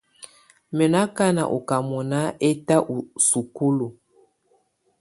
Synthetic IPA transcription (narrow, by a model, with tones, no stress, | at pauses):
mɛ˨na˦ka˦na̰˨ʔo̰˨ka˨mɔ˨na˦ʔe˦ta˦ʔu˨su˨ku˦lu˨